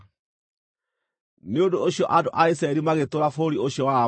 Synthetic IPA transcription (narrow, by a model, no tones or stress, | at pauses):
neondooɕjɔʔadoʔaisɾaɛɾimaɣetoɾafoɾioɕiɔwa